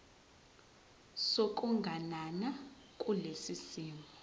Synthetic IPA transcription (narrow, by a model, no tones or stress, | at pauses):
sok̬ʼuŋɡʱanana | kʼulesisiːmbʱɔ